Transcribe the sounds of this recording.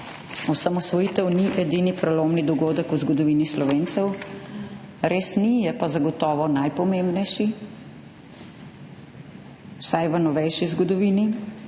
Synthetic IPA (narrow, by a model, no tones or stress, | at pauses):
ɔsamɔsʋɔjiːt̪ɛwniʔɛd̪inipɾɛloːmnid̪ɔɡoːd̪əkuzɡɔd̪ɔʋiːnislɔʋeːnt̪sɛw | ɾeːsnijɛpazaɡɔt̪ɔːʋɔnajpɔmembnɛjʃi | wsajʋənɔʋɛjʃizɡɔd̪ɔʋiːni